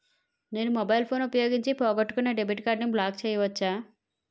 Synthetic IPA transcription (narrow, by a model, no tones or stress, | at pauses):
neːnumɔbɐjlpʰo̞ːnupɐjoːɡiɲt͡ʃipɔːɡɐʈːu̥kuneːɖebiʈkaːɖniblaːk̚t͡ʃɛːjɐʋɐt͡ʃːaː